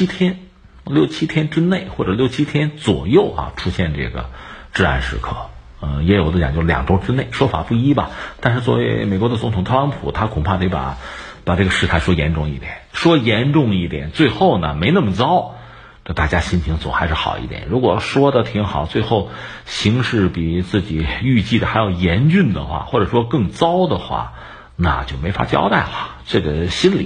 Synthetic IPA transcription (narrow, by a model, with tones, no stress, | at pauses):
i˥t̪ʰjɛ˥n | ljo˥˩ʊt͡ɕʰi˥t̪ʰjɛ˥nʈ͡ʂɻ̩˥ne˥˩ɪxwɔ˥˩ʈ͡ʂɤ˨˩ljo˥˩ʊt͡ɕʰi˥t̪ʰjɛ˥nt͡swɔ̰˨˩jo˥˩ʊɐ̰˩ʈ͡ʂʰu˥ɕjɛ˥˧nʈ͡ʂɤ̰˥˩ɡə̰˩ʈ͡ʂɻ̩˥˧a̰˥˩nʂɻ̩˧˥kʰɤ̰˥˩ | ə˥˧jɛ˧˥jo˨˩ʊd̪ə˧˩t͡ɕj̰ŋt͡ɕjo˥˩ljɑ̰˨˩ŋʈ͡ʂo˥ʊʈ͡ʂɻ̩˥ne˥˩ɪʂwɔ˥fa̰˨˩pu˥˩i˥bɐ˨t̪a˥˧nʂɻ̩˥˧t͡swɔ˥˩wḛ˧˥ɪɪme˨˩ɪkwɔ˧˥ə˧t͡sʊ˧˥ŋt̪ʰʊ˨ŋt̪ʰɤ˥˧lɑ˧˥npʰu˨˩˦t̪ʰa˥kʰʊ˨˩ŋpʰa˥˧˩t̪e˧˥ɪpa̰˨˩˦pa˨˩ʈ͡ʂɤ˥˩ɡə˩˧ʂɻ̩˥˧t̪ʰa˥˩ɪʂwɔ˥jɛ˧˥nʈ͡ʂʊ˥˧ŋi˥˩t̪jɛ̰˨˩˦nʂwɔ˥jɛ˧˥nʈ͡ʂʊ˥˧ŋi˥˩t̪jɛ̰˨˩˦nt͡swe˥˧ɪxo˥˩ʊnə̰˩me˧˥ɪnə˥˩mə˩t͡sɑ˥ʊ | na˥˧t̪a˥˩t͡ɕja˥ɕi˥nt͡ɕʰi˧˥ŋt͡sw̰xa˧˥ɪʂɻ̩˥˩xɑ˨˩ʊḭ˥˩t̪jɛ̰˨˩˦nɻu˧˥kwɔ˨˩ʂwɔ˥d̪ə˨t̪ʰi˧˥ŋxɑ˨˩ʊt͡swe˥˧ɪxo˥˩ʊ | ɕi˧˥ŋʂɻ̩˥˩pi˨˩t͡sɹ̩˥˩t͡ɕi˨˩y˥˧t͡ɕi˥˩d̪ə˩xa˧˥ɪjɑ˥˩ʊjɛ˧˥nt͡ɕy˥˩nd̪ə̰˩xwa̰˥˩xwɔ˥˩ʈ͡ʂɤ˨˩ʂwɔ˥kɤ˥˩ŋt͡sɑ˥ʊd̪ə˨xwa̰˥˩ | na̰˩t͡ɕjo˥˩ʊme˧˥ɪfa̰˥t͡ɕjɑ̰˥ʊt̪a˥˩ɪlə˨˩ | ʈ͡ʂɤ˥˩ɡə˩ɕi˥nlḭ˨˩˦